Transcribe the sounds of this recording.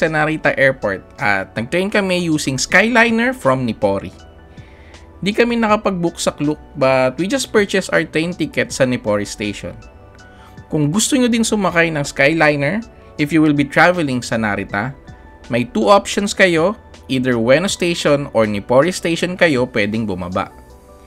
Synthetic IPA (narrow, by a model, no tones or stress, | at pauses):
sɐnaɾit̪ɐʔɛɹpoɹt̪̚ʔɐ̰t̪̚nɐɡ̚t̪ɹejnkɐmɛjuːsɪŋskajlajnɛɹfɹɐmnɪpoɾḭ | nd̪ikɐmɛnɐkɐpɐɡ̚bʊksɐklʊk̚bɐt̪wid͡ʒɐst̪̚pɛɹt͡ʃɛsʔa̰wɹt̪ɹejnt̪ikɛt̪sɐnɪpoɹist̪ejʃo̰n | kʊŋɡʊst̪oɲod̪ɪnsʊmɐkajnɐŋskajlajnɛɹ | ʔɪfjuwɪlbit̪ɹavɛlɪŋsɐnaɾɪt̪a | mɐjt̪uʔopʃonskɐjo̞ | ʔiːd̪ɛɹwɛnost̪ejʃonoɹnɪpoɹist̪ejʃonkɐjo̞pwɛd̪ɛŋbʊmɐ̰ba̰ʔ